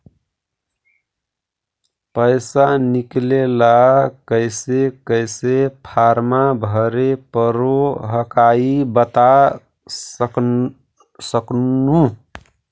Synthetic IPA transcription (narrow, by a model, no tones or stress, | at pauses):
pəɪsaniklelakəɪsekəɪsepʰaɾmabʱəɾepəɾoɦəkaibət̪a | səknu